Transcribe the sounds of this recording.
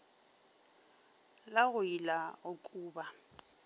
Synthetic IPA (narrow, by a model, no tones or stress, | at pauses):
laɣʊilaʊkʼuːba